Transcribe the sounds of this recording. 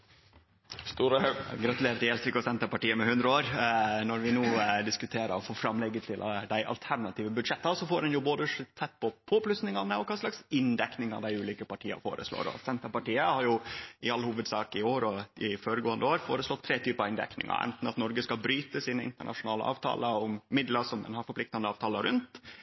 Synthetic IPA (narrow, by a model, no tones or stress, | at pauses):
st̪uːɾəɡɾɑt̪ʉleːɾt̪ɪɛlsɾɪkɔsɛnt̪əɾpɑʈiːəmɛhʉnd̪ɾəoːɾnɔɾʋɪnuːd̪ɪskʉt̪ʰeːɾə̰ɔfoːfɾɑmlɛɡːət̪ʰɪlʔd̪æɪʔɑ̰lt̪ʰæɾɳɑt̪ʰiːʋəbʉd̪ʂɛt̪ːɑsɔfoːɾdɛnjʊboːd̪əsɛt̪̚ːpʰɔpʰoːplʉsnɪŋɑnəɔkʰɑːslɑksɪnd̪ɛknɪŋɑ̰ʋd̪æɪʉːliːkəpɑʈʰiːɑ̰fo̰ːɾə̰slo̰ːɾɔ̰sɛnt̪əpɑʈiːəhɑɾjʊʔɪɑlhuːʋəd̪sɑːkɪoːɾɔɪfoːɾəɡoːənd̪əoːɾfo̰ːɾəslɔt̪ʰːɾeːt̪ʰyːpəɑɪnd̪ɛ̰knɪ̰ŋɑ̰ɾʔɛ̰nt̪n̩ɑt̪nɔɾɡəskɑbɾyːt̪əsiːnəɪ̰nt̪əɳʔɑ̰ʂʊnɑːlə̰ʔɑ̰ːʋt̪ʰɑ̰ːləʊmːɪd̪ləsɔmd̪ɛ̰nhɑɾfɔɾplɪkt̪ɑnd̪əɑːʋt̪ʰɑːləɾʉnt̪